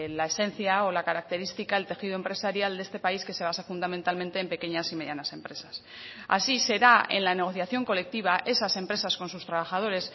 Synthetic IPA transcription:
lae̞se̞n̟θjaolakaɾak̚t̪e̞ɾist̪ikaelt̪e̞xið̞oe̞mpɾe̞saɾjald̪e̞st̪e̞paiske̞se̞β̞asafund̪amẽ̞nt̪almẽ̞nt̪e̞ːmpe̞ke̞ɲasime̞ðjanase̞mpɾe̞sas | a̰sise̞ɾae̞̰nlane̞ɣ̞o̞θjaθjo̞ŋko̞le̞k̚t̪iβ̞aʔe̞sase̞mpɾe̞sasko̞nsust̪ɾaβ̞axað̞o̞ɾe̞s

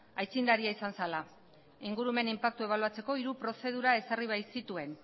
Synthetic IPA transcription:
ajt͡sind̪aɾiaisansala | iŋɡuɾume̞nimpak̚t̪ue̞β̞aluat͡se̞ko̞iɾupɾo̞se̞ð̞uɾae̞sariβ̞ajsit̪ue̞n

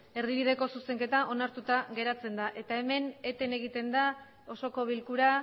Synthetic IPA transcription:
e̞ɾðiβið̞e̞ko̞suse̞ŋke̞t̪aʔo̞naɾt̪ut̪aɣe̞ɾat͡se̞nd̪aʔe̞t̪ae̞me̞ne̞t̪e̞ne̞ɣit̪e̞nd̪a | o̞so̞ko̞β̞ilkuɾa

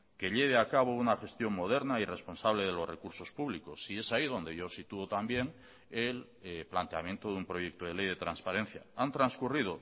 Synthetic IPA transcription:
ke̞ʎe̞β̞eakaβ̞ounaxe̞st̪jo̞ŋmo̞ð̞e̞ɾnaire̞spo̞nsaβle̞ð̞e̞lo̞zre̞kuɾso̞spuβ̞liko̞sie̞saið̞o̞nd̪e̞ʝo̞sit̪uot̪ambje̞n | el | plant̪ea̰mje̞nt̪oðumpɾo̞je̞k̚t̪oð̞e̞le̞jðe̞t̪ɾanspaɾe̞n̟θja̰ant̪ɾanskurið̞o̞

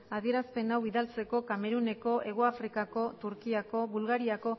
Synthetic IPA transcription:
aðie̞ɾaspe̞nawβiðalt͡se̞ko̞kame̞ɾune̞ko̞ʔe̞ɣ̞oafɾikako̞t̪uɾkiako̞βulɣaɾiako̞

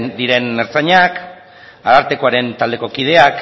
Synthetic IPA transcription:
nd̪iɾe̞neɾt͡saɲak | aðaɾt̪e̞ko̞aɾe̞nt̪ald̪e̞ko̞kið̞e̞ak

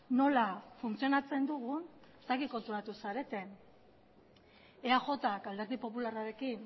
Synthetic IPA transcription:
no̞lafunt͡sio̞nat͡se̞nd̪uɣ̞un | t̪akiko̞nt̪ɾuɾat̪usaɾe̞t̪e̞n | eaxo̞t̪akald̪e̞ɾðipo̞pularaɾe̞kin

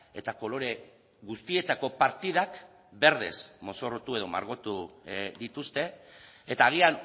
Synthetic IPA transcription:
e̞t̪ako̞lo̞ɾe̞ | ɣust̪ie̞t̪ako̞paɾt̪ið̞ak | be̞ɾðe̞̰smo̞so̞rot̪ue̞ð̞o̞ma̰ɾɣo̞t̪uðit̪ust̪e̞ː | t̪aːɣ̞ian

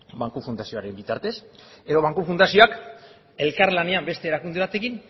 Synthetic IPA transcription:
baŋkufund̪asio̞aɾe̞mbit̪aɾt̪e̞se̞ðo̞β̞aŋkufund̪asio̞ak | e̞lkaɾlane̞ambe̞st̪e̞ːɾakund̪eβ̞at̪e̞kin

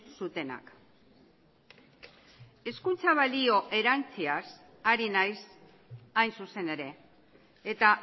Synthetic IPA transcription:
sut̪e̞na̰k | e̞skunt͡saβalio̞ʔe̞ɾant͡sias | aɾinajs | ajnsuse̞ne̞ɾe̞ː | t̪a

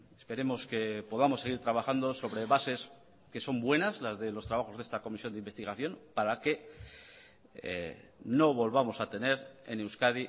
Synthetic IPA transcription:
espe̞ɾe̞mo̞ske̞po̞ðamo̞sːe̞ɣ̞iɾt̪ɾaβ̞aχand̪o̞so̞βɾe̞βase̞s | ke̞so̞mbwe̞nazlazðe̞lo̞st̪ɾaβaxo̞zðest̪ako̞misjond̪imbe̞st̪iɣ̞aθjo̞npaɾake̞ | no̞βo̞lβamo̞sat̪e̞ne̞ɾe̞̰newskaði

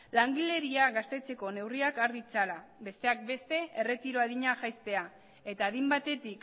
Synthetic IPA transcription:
laŋɡile̞ɾiaɣast̪e̞t͡se̞ko̞ne̞wriakaɾðit͡salabe̞st̪e̞ak̚be̞st̪e̞e̞re̞t̪iɾo̞aðiɲaʝajst̪e̞a | e̞t̪aːðimbat̪e̞t̪ik

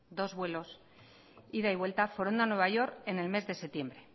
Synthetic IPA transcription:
d̪o̞zβwe̞lo̞s | iðaiβ̞we̞lt̪afoɾond̪anwe̞βaʝo̞ɾke̞ne̞lme̞zðe̞se̞t̪je̞mbɾe̞

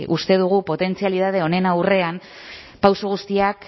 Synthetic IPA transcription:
ʔust̪e̞ð̞uɣ̞upo̞t̪e̞nt͡sialiðað̞e̞o̞ne̞nawre̞am | pawsuɣ̞ust̪iak

